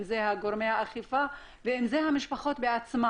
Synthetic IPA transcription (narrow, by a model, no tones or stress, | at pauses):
mzehaɡoɾmehaaχifa | veimzeɦamiʃpaχo̞t̪beat͡sma